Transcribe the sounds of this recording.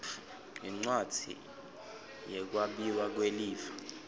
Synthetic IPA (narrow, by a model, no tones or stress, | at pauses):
iŋ͡ǀwad̥ʱḭ | jɛk̬waɓiwak̬weliːvḁ